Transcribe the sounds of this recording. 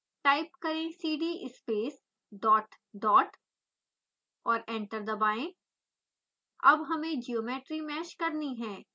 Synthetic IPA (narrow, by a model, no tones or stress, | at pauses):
ʈaːɪp̚kɐɾẽsiːɖiʔɪspeːs | ɖɔːʈ | ɖɔːʈ | ɔːɾẽːɳʈəɾd̪ɐbaːẽ | ɐ̰bɦɐmẽd͡ʒioːmeːʈɾimɛːʃkɐɾniɦɛ̃ː